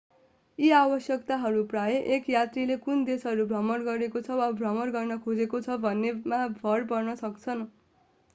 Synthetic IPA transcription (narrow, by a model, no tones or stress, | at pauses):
iawʌsjʌkt̪aɦʌɾuprajeʔekjat̪rilekund̪esɦʌɾubʱʌmʌrɡʌɾekot͡sʰʌwabʱrʌmʌrɡʌrnʌkʰod͡zekot͡sʰʌbʱʌnːemabʱʌrpʌrnʌsʌkt͡sʰʌn